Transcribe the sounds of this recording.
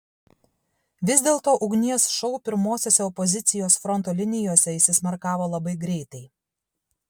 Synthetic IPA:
ʋʲɪzʲd̪ʲeːlˠt̪oːʔʊɡnʲiɛsʃɔʊpʲɪɾmoːsʲoːsʲɛɔpɔzʲɪt̪sʲɪjoːsfɾɔnt̪oːlʲɪnʲɪjoːsʲɛɪʃʲsʲɪsʲmɐɾkɑːʋoːlˠɐbɐɪɡɾʲɛɪt̪ɐɪ

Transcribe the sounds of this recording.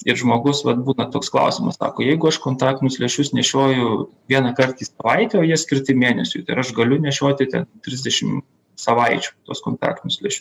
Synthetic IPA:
ɪɾʒmoːɡʊsʋɐt̪̚buːnɐt̪oːksklˠɐ̰ʊsʲɪmɐ̰ssɑ̰ːkoːjɛɪɡʊɐʃkoːnt̪ɑːk̚tʲɪnʲʊsʲlʲɛʃʲʊsnʲɛʃʲoːjʊʋʲiɛnɐkɐrt̪iːsɐʋɐɪt̪ʲɛoːjiɛsʲkʲɪɾt̪ʲɪmʲeːnʲɛsʲʊ̰t̪ɐɪɾɐʃɡɐlʲʊnʲɛʃʲoːt̪ʲɪt̪ʲɛnt̪ʲɾʲɪzʲd̪ʲɛʃʲɪm | sɐʋɐɪt͡ʃʲu̥t̪oːskoːnt̪ɑ̰ːkt̪ʲɪnʲʊsʲlʲɛʃʲʊs

